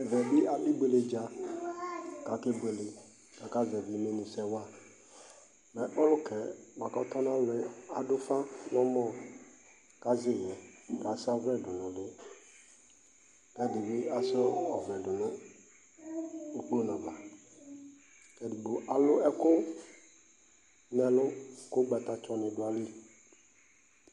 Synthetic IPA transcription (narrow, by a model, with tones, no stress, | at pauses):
vɛ˨bɪ˦a˨ʔɪ˦be˨le˨d͡ʒa˨ | ka˨kɪ˦be˨lɪ˨ | ka˨ka˦zɛ˨vɪ˨˦me˦nɪ̃˨sɛ˦wa˦ | mɛ˨ʔɔ˦lʊ˦kɛ˨ma˨kɔ˦tɔ˦n˦ã˦lɪ˨˦a˨dʊ˦fa˦nɔ̃˦mɔ˦ | ka˦zɪ˦˨jɛ˨ka˨sa˦vɛ˦dʊ˨nɔ̃˨lɪ˦ | kɛ˦dɪ˨bɪ˦a˦sɔ˦ɔ˨vlɛ˨dʊ˨nʊ̃˨ | u˨k͡pu˦o˦nɔ̃˨ba˨ | kɛ˨du˨ɡ͡bo˨ʔa˨lʊ˦ɛ˦kʊ˦ | nɛ̃˨lʊ˦kʊ˦ɡ͡bɛ˨t̪a˨t͡ʃɔ˦nɪ̃˨dʊ˨a˨li˦